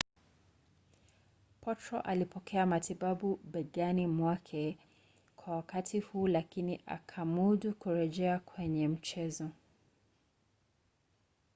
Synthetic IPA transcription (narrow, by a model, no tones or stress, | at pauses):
pʰɔtɾɔʔalipɔkʰɛamatiɓaɓuɓɛɡanimwakʰɛ | kwawakatihuːlakiniʔa̰kʰamuɗukuɾɛʄɛakwɛɲɛm̩t͡ʃɛzɔ